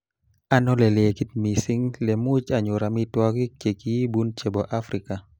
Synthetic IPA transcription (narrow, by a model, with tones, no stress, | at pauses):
a˦nɔ˦le˨le˨ki˦t̪̚mi˨si˦ŋle˨mu˦t͡ʃa˨ɲʊ˨ɾa˨mi˦twɔ˦ki˦t͡ʃe˨ki˦bu˦nt͡ʃe˨bɔ˨ʔa˦fɾika˨